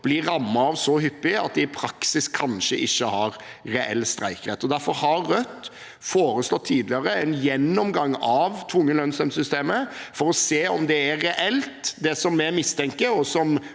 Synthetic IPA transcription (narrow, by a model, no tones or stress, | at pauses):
b̥lɪɾɑmːɑːʋsɔɦʏpːɪɑ̰t̪̚d̪ɪpʰɾɑksɪskʰɑnʃəʔɪçːəhɑɾ | ɾɛʔɛ̰lːst̪ɾæɪkɾɛt̪ːɔd̪æɾfɔɾhɑːœt̪ː | foːɾəslɔt̪ʰːiːd̪lɪəɾəɛnjɛnːɔmɡɑŋːɑʋt̪ʰʋʊŋːəlœnsœmsʏst̪eːməfɔɾɔseːɔmd̪ɛæɾɛʔɛlt̪d̪ɛsɔmːɛmɪst̪ʰɛŋkəɾɔsɔm